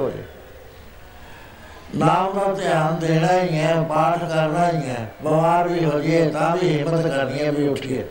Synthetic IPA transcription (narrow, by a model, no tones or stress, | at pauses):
o̰ː | naːmnãːt̪ɪjaːnd̪eːnãːijɛ̃ːbaːʈkəɾnãːɪɛ̃ːbəʋaːɾbiːɦoːd͡ʒɪeːt̪ãːbiːɦɪmːət̪kəɾnɪjãːbiːʊʈʰːiɛː